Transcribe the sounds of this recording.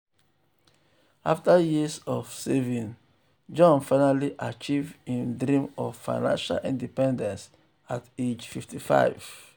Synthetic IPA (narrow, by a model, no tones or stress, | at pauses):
aftajisɔvsevĩn | d͡ʒɔ̃nfaɪnaliʔat͡ʃivdĩndɾĩmɔvfa̰ɪnã̰nʃa̰lʔḭ̃ndipɛ̃ndɛ̃ns | ated͡ʒfiftifa̰ɪv̥